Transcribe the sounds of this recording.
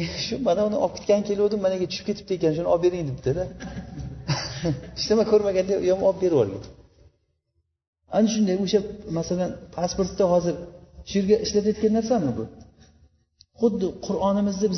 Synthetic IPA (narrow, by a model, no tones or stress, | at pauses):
ʃʊmanaʊnɪʔɒp̚kʰʲet̪ʲkʲanɪkʲʰe̞lod̪ɪmːanaɡʲat͡ʃʰʊ̥ʃɪp̚kʰʲe̞t̪ʰɪ̥t̪ɪekʲanʃ̬ʊnɪɒp̚be̞ɾɪŋd̪ɪpd̪ʰɪd̪a | ɪʃnɪmakʲʰɵɾmaɡʲand̪ajɒmɒp̚be̞ɾwɒ̰ɾɡʲa̰n | anɪʃ̬ʊnd̪ajoʃamasalanpʰaspoɾt̪ːahɒzɪɾʃʊjeɾɡʲaʔɪʃlapjat̪̚kʲanːaɾsamɪbʊ | χʊd̪ːɪqʰʊɾɒnɪmɪzd̪ɪbɪz